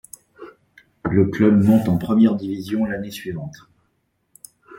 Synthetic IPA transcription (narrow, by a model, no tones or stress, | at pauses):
ləklœbmɔ̃t̪ɑ̃pχəmjɛʁd̪ivizjɔ̃lanesɥivɑ̃t̪